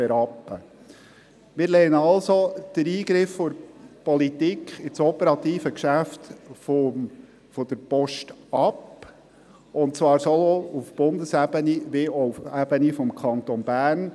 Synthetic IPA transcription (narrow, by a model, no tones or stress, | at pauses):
ɛɾɑpːə | mɪɾleːɑlsod̪̥əɾiːɡɾɪfːʊɾpɔlit̪ikχɪt͡sɔpəɾɑt̪iːfəkʃæft̪fo | fɔd̥̪əɾpɔʃtɑp | ʊntt͡svɑːɾsoloufb̥ʊndəsæbəniʋeoufæb̥ənifɔmkʰɑnt̪ɔnbæːrn